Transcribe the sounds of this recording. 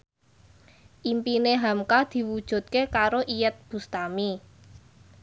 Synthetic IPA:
ʔimpineɦamkad̪̥i̤wud̥ʒ̥ṳt̪̚kekaɾoʔijət̪̚b̥ṳst̪ami

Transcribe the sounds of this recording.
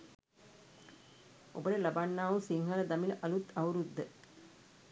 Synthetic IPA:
obəʈəlabanːaːʋusiŋɦɐləd̪amiləʔɐlut̪auɾud̪ːə

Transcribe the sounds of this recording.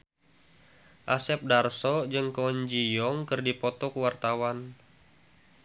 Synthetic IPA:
ʔasɛp̚darsɔd͡ʒɨŋkɔɲd͡ʒijɔŋkɨrdipɔt̪ɔkəwart̪awan

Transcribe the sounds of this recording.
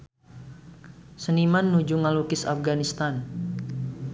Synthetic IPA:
sənimanːud͡ʒuŋalukɪsa̰fɡanist̪an

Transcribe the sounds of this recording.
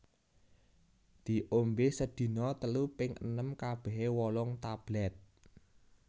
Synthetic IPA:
d̪̥i̤ʔombesəd̪̥i̤nɔt̪əlupɪŋʔə̰nəmkab̥ɛ̤ɦewɔlɔŋt̪ab̥lɛt̪̚

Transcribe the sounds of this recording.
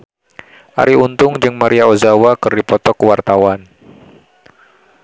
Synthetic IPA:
ʔa̰ɾiunt̪ʊŋd͡ʒɨŋmaɾiaozawakərdipɔt̪ɔkəwart̪awan

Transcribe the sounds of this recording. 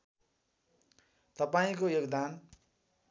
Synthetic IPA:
t̪ʌpaĩkojoɡd̪an

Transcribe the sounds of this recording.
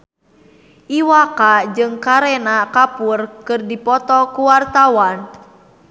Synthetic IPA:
ʔiwakad͡ʒɨŋkaɾɛnakapurkɨrdipɔt̪ɔkuwart̪awan

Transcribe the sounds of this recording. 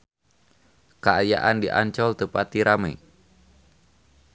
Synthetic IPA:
kaaja̰ʔandiʔaɲt͡ʃɔlt̪əpat̪iɾamḛ

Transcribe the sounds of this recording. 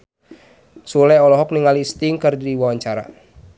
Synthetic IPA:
sulɛɔlɔɦɔk̚niŋalist̪iŋkɨrdiwawaɲt͡ʃaɾa̰

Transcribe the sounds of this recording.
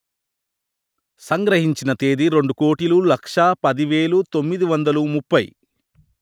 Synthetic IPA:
sɐŋɡɾɐɦiɲt͡ʃinɐt̪eːd̪iɾe̞ɳɖuko̞ːʈilulɐkʂɐpɐd̪iʋeːɭut̪o̞mːid̪iʋɐnd̪ɐlumupːɐj

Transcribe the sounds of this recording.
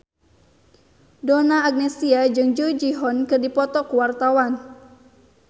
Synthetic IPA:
donaːɡ̚nɛsiad͡ʒɨŋd͡ʒud͡ʒiɦɔnkɨrdipɔt̪ɔkuwart̪awan

